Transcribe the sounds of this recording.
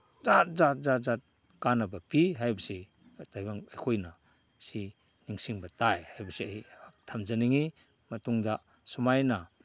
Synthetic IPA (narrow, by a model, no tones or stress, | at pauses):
zat̚zat̚zat̚zat̚ | kanabapiɦajbasi | tajbaŋajkʰojna | si | niŋsiŋbatajhajbasiaitʰamzaniŋi | mɐtuŋda | sumajna